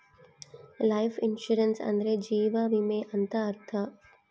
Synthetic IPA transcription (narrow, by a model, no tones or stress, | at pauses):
laɪfɪnʃuɾensɐ̰̃nd̪ɾed͡ʒiːʋaʋimeʔɐnt̪ɐːɾt̪ʰɐ